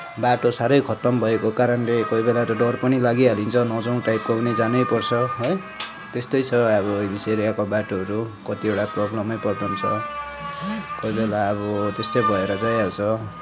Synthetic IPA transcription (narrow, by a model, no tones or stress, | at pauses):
baʈosaɾʌjkʰʌt̪ʌmbʱʌekokaɾʌnlekʌjbelat̪oɖʌrpʌnilaɡiɦalint͡sʰʌnʌd͡zʌw̃ʈajp̚koɡnid͡zanʌjpʌrt͡sʰʌɦoj | t̪est̪ʌjt͡sʰʌʌβʌbiseɾijakobaʈoʌɾukʌt̪ieʈaprʌblʌmʌjpʌrpʌnt͡sʰʌ | kojbelaʌβʌt̪est̪ojbʱʌeɾʌd͡zajalt͡sʰʌ